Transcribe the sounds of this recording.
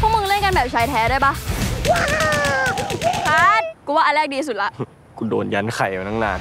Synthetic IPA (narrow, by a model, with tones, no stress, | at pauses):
pʰu˥˩k̚mɯ˧ŋle˥˩nka˧nbɛː˨˩p̚t͡ɕʰaː˧˩jt̪ʰɛː˨˧˥duː˥˩jba˦˥˩ | a˧˥n̚ku˧˩waː˥˩ʔlɛː˥˩k̚diː˧su˨˩t̪̚la˦˩ʔ | kʰu˧do̰ː˧nja˦˥nkʰa˨˩ja˨˧˩na˦˥˩naː˧˩n